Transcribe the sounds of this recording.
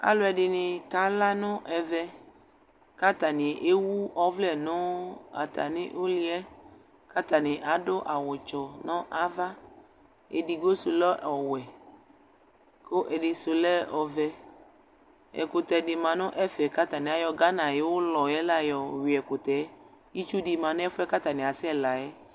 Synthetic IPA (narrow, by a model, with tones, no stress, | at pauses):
a̰˨lo˦ɛ˨ɖɪ˨nɪ̃˨ka˦la˦nʊ̃˦ʔɛ˨vɛ˦ | ka˦t̪a˨nɪ̃˨ʔe˦wu˦ɔ˦vlɛ˨nõ˦a̰˨t̪ʰa̰˨nɪ̰̃˦ʔo˦li˦ɛ˦ | ka˦t̪a˨nɪ̃˨ʔa˨dʊ˦ʔa˨wɔ˨t͡ʃɔ˨nɔ̃˦ʔa˦va˦ | e˨di˨ɡo˦su˨lɔ˦ʔɔ˨wɛ˨ | ko˦ʔɛ˨ɖɪ˨sʊ˨lɛ˦ɔ˨vɛ˦ | ɛ̰˨kʊ˨t̪ɛ˨dɪ˨mã˨nʊ̃˦ʔɛ˦fɛ˨ka˦t̪a˨nɪ̃˨a˨jɔ˨ɡa˦nã˨je˦wo˦lɔ˨jɛ˦la˦˨jɔ˨wi˨ɛ˨kʊ˨t̪ɛ˨˦ji˦t͡ʃu˦dɪ˨mã˨nʊ̃˦ɛ˦fʊ˦ɛ˦ka˦t̪a˨nɪ̃˨a˨sɛ˦la˨ɛ˦